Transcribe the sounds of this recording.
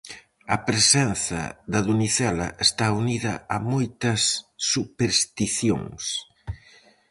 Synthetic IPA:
ɐpɾesɛnθɐ̰ðɐðuniθɛlɐ̰ʔest̪auniðɐ̰ɐmojt̪ɐsːupeɾst̪iθjo̰ŋs

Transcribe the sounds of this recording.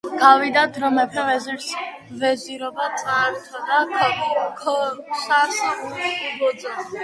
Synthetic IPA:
ɡ̥avid̪ad̪ɾɔmɛpʰɛvɛziɾs | vɛziɾɔbat̪sʼaɾt̪ʰad̪akʰkʰɔsamsaχuɾiubɔd̪zɛ

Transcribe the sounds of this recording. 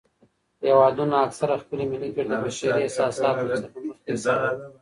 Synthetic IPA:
jawɑd̪unaːksaɾaxpəlemɪlikeɽd̪əbaʃaɾiasɑsɑt̪sapaməxt̪esaa

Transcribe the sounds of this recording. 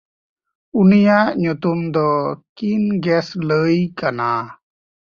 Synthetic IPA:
unijaʔɲut̪umd̪ɔkinɡɛsləjkana

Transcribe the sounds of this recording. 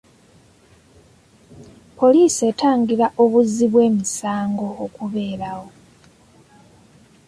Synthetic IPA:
pʰo̞liːse̞ːtaːŋɡiɾaʔoβuziβwe̞ːmisaːŋɡo̞okuβe̞ːɾawo̞

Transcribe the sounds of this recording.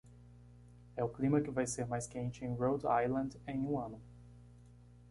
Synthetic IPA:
ɛʊklĩmɐkɪvajseɾmajskẽnt͡ʃɪẽj̃ɾowd̪a̰jlɐ̃nd̪ẽj̃ũɐ̃nʊ

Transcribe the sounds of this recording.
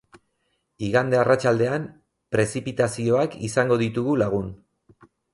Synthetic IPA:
iɣand̪e̞arat͡ʃald̪e̞am | pɾe̞sipit̪asio̞akisaŋɡo̞ð̞it̪uɣulaɣ̞un

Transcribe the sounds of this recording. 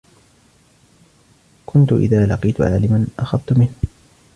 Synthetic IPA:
kʊnt̪ʊʔɪ̰ðaːlɑqiːt̪ʊʕa̰ːlɪmanʔaxabt̪ʊmɪnh

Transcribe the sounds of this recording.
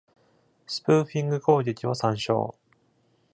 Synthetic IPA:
sɨ̥pɯːɸʲĩŋɡɯ̟ko̞ːɡʲe̞kʲiβasãɰ̃ɕo̰ː

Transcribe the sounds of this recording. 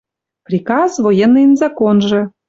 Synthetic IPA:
prʲikɑzvojenːɨnzɑkonʒɤ̆

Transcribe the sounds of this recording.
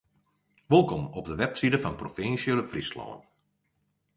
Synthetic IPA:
ʋɪlˠkɔmɔp̚dəʋɛpsidəfɑnprofɪnsələfrislɔ̰ːə̰n

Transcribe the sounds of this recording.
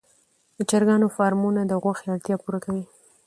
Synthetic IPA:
d̪̥ət͡ʃaɾɡɑnofɑɾmunad̪əɣwaxeaɽt̪jɑpuɾakawi

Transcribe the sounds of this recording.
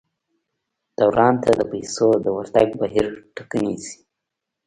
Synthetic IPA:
d̪̥awɾɑnt̪ʰad̪əpajsod̪əwaɾt̪aɡbaɦiɾʈḁkanisi̥

